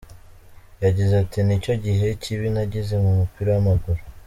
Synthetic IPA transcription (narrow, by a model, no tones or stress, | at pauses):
jaɟizatinico̞ɟiɦe̞ciβinaɟize̞mumupiɾowamaɡuɾu